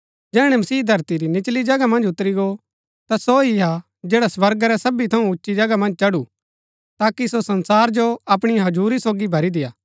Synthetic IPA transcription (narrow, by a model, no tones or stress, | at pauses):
d͡ʒɛːɽ̃ɛmɐsiːd̪ʱɐɾt̪iɾinɪt͡ʃlid͡ʒɐɡamɐ̃nd͡ʒʊt̪ɾiɡo | t̪asoiɦa | d͡ʒɛːɽaswɐɾɡaɾɛsɐbit̪ʰɐũʊtːʃid͡ʒɐɡamɐ̃nd͡ʒt͡ʃɐɽu | t̪aːkisosɐ̃nsaːɾd͡ʒoɐpɽ̃iaɦɐd͡ʒuːɾisoːɡibʱɐɾid̪ɪjaː